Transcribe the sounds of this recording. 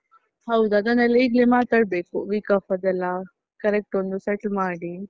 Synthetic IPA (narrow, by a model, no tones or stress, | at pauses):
hɐwd̪uɐd̪ɐnɛlːɐiːɡleːmaːt̪aːɽbeːkuʋiːkɐfɐd̪ɛlːɐ | kɐɾek̚ʈond̪usɛʈlmaːɽi